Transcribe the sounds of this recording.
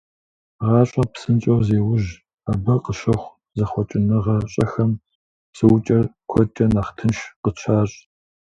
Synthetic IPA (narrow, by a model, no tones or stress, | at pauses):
ʁɑːɕʼɐpsɨnt͡ʃʼɐwzeːwʊʒ | abɐqəʃɐχʷ | zɐχʷɔt͡ʃʼɪnɨʁɐɕʼɐxɐm | psɨwʊt͡ʃʼɐrkʷʰɔt͡ʃʼɐnaːχtʰɨnʃqət͡ʃʰaːɕʼ